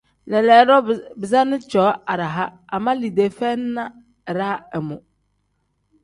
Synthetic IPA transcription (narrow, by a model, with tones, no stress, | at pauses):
lɛ˨lɛː˨˦ɾɔ˦bɪ˨za˦nɪ̃˦t͡ʃɔː˨˦a˨ɾa˨ɦa˦a˨mã˦li˨de˨fɛ˦n˦nã˦˨ | ɾa˦ɛ˨mʊ̃˨